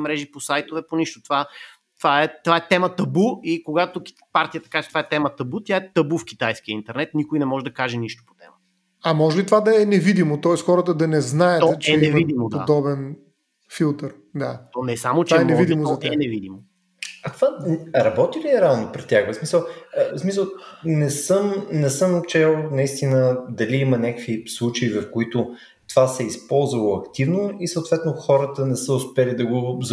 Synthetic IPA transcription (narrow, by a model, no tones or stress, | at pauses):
mɾɛʒiposajt̪ovɛponiʃt̪o̥t̪ova | t̪ovaɛt̪ovaɛt̪ɛmət̪ɐbuikoɡat̪oki̥ | paɾt̪ijət̪ɐ̥kaɛt͡ʃɛt̪ovaɛt̪ɛmət̪ɐbut̪ʲjaɛt̪ɐbufk̟it̪ajskiəint̪ɛɾnɛt̪nikojnɛmɔʒɛd̪ɐkaʒɛniʃt̪o̥po̥t̪ɛ̰mət̪ | ɐmɔʒɛbit̪ovad̪ɐɛnɛvid̪imot̪ɔɛsxɔɾət̪əd̪ɐnɛznajət̪ɔt͡ʃɛɛvid̪imod̪oa̰d̪ɔbɛn | filˠt̪əɾ | d̪a̰t̪ɔnɛsamoaaɛnɛvid̪imozɐt̪anɛvid̪imo | ɐt̪ovaɾɐbɔt̪ilʲiɛɾalˠnopɾɛt̪ʲːjaxvəsmisəlˠsmisəlˠnɛsɤmnɛsəmt͡ʃɛlˠnɐist̪inəd̪ɐliimənʲakə̥kvislˠut͡ʃɐivɐfkoit̪ʊ | t̪ovasɛispɔlˠzvəlˠoɐkt̪ivnoisəwt̪vɛt̪noʊxɔɾət̪ənɛsəʊspɛlid̪ɐɡoz